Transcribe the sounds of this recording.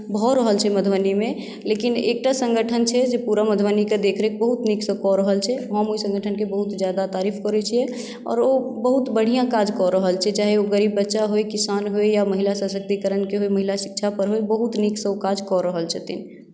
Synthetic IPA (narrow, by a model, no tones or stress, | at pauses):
bʱɔɾəɦəlt͡ʃʰɛməd̪ʱwənimẽ | lekinḛk̚ʈasə̃ŋɡəʈʰənt͡ʃʰɛd͡ʒepuɾaməd̪ʱwəniked̪ekʰɾek̚bəɦut̪niksə̃kɔɾəɦəlt͡ʃʰɛɦəmoisə̃ŋɡəʈʰənkebəɦut̪d͡ʒjad̪at̪aːɾifʰkɔɾɛt͡ʃʰiɛ | ɔ̰ːɾobəɦut̪bəɽ̤ijãkad͡ʒkɔɾəɦəlt͡ʃʰɛd͡ʒaɦɛoɡəɾiːbːətːʃaɦoekisanɦoejaməɦilasasək̚t̪ikəɾənkeɦoeməɦilasik̚t͡ʃʰapəɾɦoebəɦut̪niksə̃okad͡ʒkɔɾəɦəlt͡ʃʰɛt̪in